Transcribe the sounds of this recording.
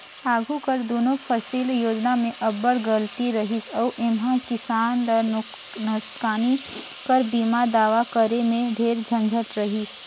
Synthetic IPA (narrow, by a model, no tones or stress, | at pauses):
aːɡʱukəɾd̪oːnõpʰəsiːljoːd͡ʒnamẽʔɐbəɽɡəlt̪iɾɐɦisɔːʔɪmɦãkɪsaːndə | nəskaːni | kəɾbiːmad̪aːʋakəɾemẽɖʱeːɾd͡ʒʱə̃nd͡ʒʱət̪ɾɐɦis